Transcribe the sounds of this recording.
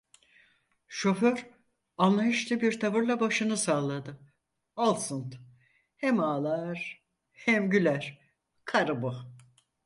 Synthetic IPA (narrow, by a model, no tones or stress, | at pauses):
ʃo̞føɾ | anlˠajɯʃlˠɯbiɾt̪ʰavɯɾlˠabaʃɯnɯsalˠad̪ɯ | alˠsunt̪ | hɛmaːlˠaɾ | hɛmɟylʲæɾ̥ | kʰaɾɯbu